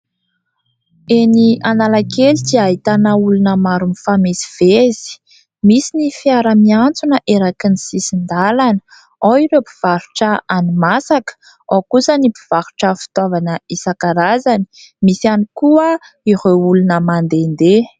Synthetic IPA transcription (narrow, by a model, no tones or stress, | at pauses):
eniʔanalakelit̪iaɦit̪anəulunəmaɾunifamesi̥v̥ezi̥ | misinifiaɾəmiant͡sunəʔeɾakinisisind̪alanə̥ | aiɾepi̥v̥aɾuʈ͡ʂəanimasakə̥ | okusənipiv̥aɾuʈ͡ʂəfi̥t̪avanəisakaɾazani̥misanikuə | iɾeulunəmand̪end̪e